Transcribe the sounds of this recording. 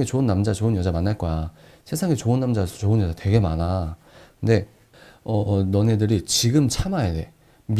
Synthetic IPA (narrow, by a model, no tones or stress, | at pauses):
ŋet͡ɕoɯnːamd͡ʑat͡ɕoɯɲjʌd͡ʑamanːaɭk͈ʌja | sʰe̞sʰaŋe̞t͡ɕoɯnːamd͡ʑasʰʌt͡ɕoɯnjʌd͡ʑate̞ɡe̞mana | kɯnde̞ | ʌnʌne̞dɯɾit͡ɕiɡɯmt͡ɕʰamajade̞̰ | m